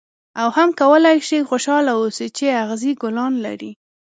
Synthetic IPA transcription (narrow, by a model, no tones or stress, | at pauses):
awhamkawəlajʃixoʃɑlawosit͡ʃeaɣziɡʊlɑnla̰ɾi